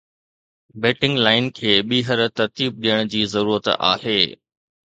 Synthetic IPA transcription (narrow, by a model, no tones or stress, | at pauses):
beːʈɪ̃ŋɡlaːɪnkʰeːɓiːɦəɾt̪ɐɾt̪iːb̚ɗijəɽ̃d͡ʑiːzɐɾuːɾət̪a̰ːheː